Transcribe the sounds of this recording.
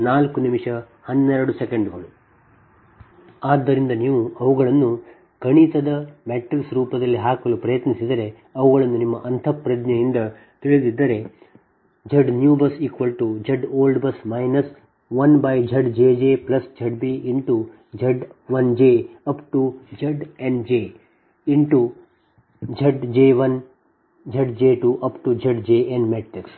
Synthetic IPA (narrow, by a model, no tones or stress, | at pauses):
naːlkunimiʂɐ | hɐnːɛɾɐɽusekeɳɖɡɐɭu | aːd̪ːɐɾind̪ɐniːʋuɐʋuɡɐɭɐnːu | ɡɐɳit̪ɐd̪ɐmeːʈɾiksɾuːpɐd̪ɐlːiɦaːkɐlupɾɐjɐt̪nisid̪ɐɾe̞ | ɐʋuɣɐɭɐnːunimːɐʔɐnt̪ʰɐpɾɐd̪ɲɐjind̪ɐ | t̪iɭid̪id̪ːɐɾe̞ | d͡ʒɐɖnjuːbɐsikʋɐlʈud͡ʒɐɖoːlɖbɐsmɐjnɐs | ʋɐnbɐjd͡ʒʱɐɖd͡ʒeːd͡ʒeːplɐsd͡ʒʱɐɖbiiɳʈu | d͡ʒɐɖʋɐnd͡ʒeːɐpʈud͡ʒɐɖeɳɖd͡ʒeː | iɳʈu | d͡ʒʱɐɖd͡ʒeːʋɐn | d͡ʒʱɐɖd͡ʒeːʈuːʔɐpʈud͡ʒɐɖd͡ʒeːenmeːʈɾiks